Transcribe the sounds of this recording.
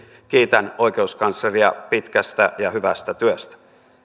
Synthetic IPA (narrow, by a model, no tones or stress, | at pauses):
k̟iːt̪æno̞ik̟e̞uskɑnsːɑriɑ̰pit̪kæst̪æjɑhyʋæst̪æt̪yøst̪æ̥